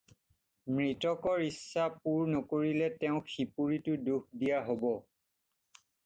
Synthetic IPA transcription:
mɹitɔkɔɹisːapuɹnɔkoɹilɛtɛʊ̃xʰipuɹitʊduk̚ʰdijaɦobɔ

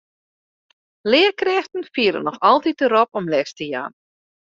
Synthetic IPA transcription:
lɪəkrɛxtən̩fiəɾə̰nɔxɑlˠtit̚dəɾɔpɔmlɛstəja̰ːn

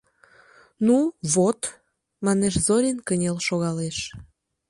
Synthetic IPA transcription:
nuβot̪ | mɑneʃzoɾʲinkənʲelʃoɣɑleʃ

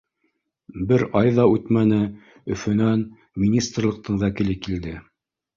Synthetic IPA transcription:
bɘɾɑjðɑʉt̪mænɘ | ɵ̆fɵ̆næn | mʲinʲist̪rlˠɤ̆q̚t̪ʰɤɴvækɘ̆lɘkild̪ɘ

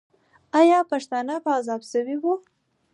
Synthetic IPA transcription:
ajɑpaʃt̪ɑnapaːzɑbsəwiwu

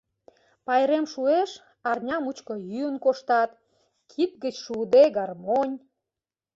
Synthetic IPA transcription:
pɑjɾemʃueʃ | ɑrnʲɑmut͡ɕkojyənkoʃt̪ɑt̪ | kʰit̪̚ɡət͡ɕʃud̪eɡɑrmonʲ

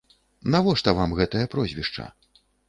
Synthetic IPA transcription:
navɔʂt̪ɐvamɣɛt̪ɐjɐpɾɔzʲvʲiʂt͡ʂɐ̰

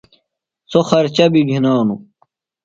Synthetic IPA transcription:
soxɐɾt͡ɕɐbiɡʱinaːnu

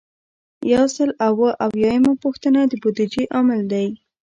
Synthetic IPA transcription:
jawsəlawəʔawjɑjəmapuxt̪ənad̪əbod̪ɪd͡ʒeʔɑmɪld̪aj

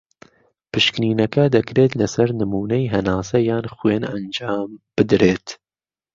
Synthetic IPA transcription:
pɨʃkniːnɐkɐd̪ɐkɾeːt̪lɐsɐɾnɨmuːnɐjɦɐnaːsɐjaːnxweːnɐnd͡ʒaːmb̥ɨd̪ɾeːt̪

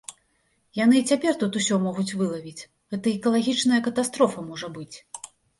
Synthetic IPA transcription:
jan̪ɨt͡sʲapʲɛrt̪ut̪usʲɔmɔɣut͡sʲvɨlˠɐvʲit͡sʲ | ɣɛt̪ɐɛkɐlˠaɣʲit͡ʂnɐjɐkɐt̪ast̪ɾɔfɐmɔʐɐbɨt͡sʲ

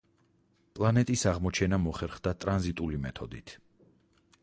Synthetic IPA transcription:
pʼlˠanɛt̪ʼisaʁmɔt͡ʃʰɛnamɔχɛɾχd̪at̪ʼɾanzit̪ʼulimɛt̪ʰɔd̪it̪ʰ

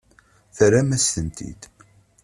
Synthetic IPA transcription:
θɾæmæst̪ənt̪ʰḭd̪

